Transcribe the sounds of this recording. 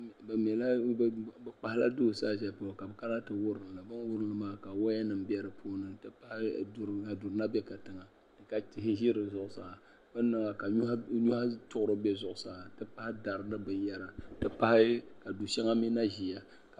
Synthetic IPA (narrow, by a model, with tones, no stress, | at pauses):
bɨ˨m˨ɛ˨la˦˨bɨ˨k͡pa˨hɪ˦la̰˦do˦˨saː˦˨ʒɛ˨pa˨ka˨bɨ˨ka˦la˦tɨ˨wʊ˦ɾɨ˨n˨lɨ˨bɨ˦n˦wʊ˦ɾɨ˦nɨ˨˦maː˦ka˨wa˦ja˦nɨ˨m˦bɛ˦ɾɨ˨pʰoː˦nɨ˨tɨ˦pa˦hɪ˦˨du˨ɾka˨du˨ɾɨ˨na˦bɛ˦ka˨tɨ˨ŋa˨ | d̥ɨ˨ka˦ti˨ɦɪ˦ʒi˦ɾɨ˨zʊ˨ʔʊ˨sa̰˨ | bɨ˦nːɨ˨ŋa˨ka˨˦a˦ɲu˦ha˦tʊ˦ʔʊ˦ɾɨ˦bɛ˦zʊ˨ʔʊ˨sa˦˨tɨ˦pa˦hɪ˦da˨ɾɨ˨nɨ˦bɨ˨n˦ja˦ɾa˨tɨ˦pa˦hɪ˦ka˨du˨ʃɛ˦ŋa˦mi˦na˦ʒi˨ja˨ | ka˨